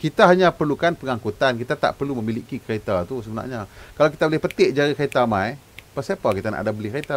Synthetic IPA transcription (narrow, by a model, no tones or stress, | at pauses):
kit̪aɦaɲãpərlukanpəŋaŋkut̪ankit̪at̪a̰ʔpərluməmiliʔkikəɾet̪at̪usəbəna̰ʔɲakalawk̬it̪abolɪhpət̪eʔd͡ʒaɾikəet̪amãj | pəsapakit̪ana̰ʔdabəlɪhket̪a